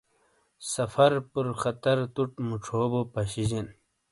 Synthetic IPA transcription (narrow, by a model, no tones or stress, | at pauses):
sɐfɐɾpuɾxɐt̪ɐɾt̪uʈmuʈ͡ʂʰoːbopɐɕid͡ʑen